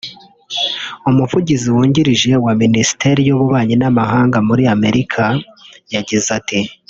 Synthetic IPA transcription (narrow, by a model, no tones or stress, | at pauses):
umuvuɟiziwuːɲɟiɾiʒe̞waminisi̥te̞ɾijoβuβaːɲinamaɦaːŋɡamuɾiame̞ɾikʰajaɟizati